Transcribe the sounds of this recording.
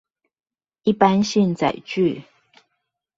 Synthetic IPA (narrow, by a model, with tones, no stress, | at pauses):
i˥˩pa˦nɕi˥˨nt͡sa̰˨˩ɪt͡ɕy˥˨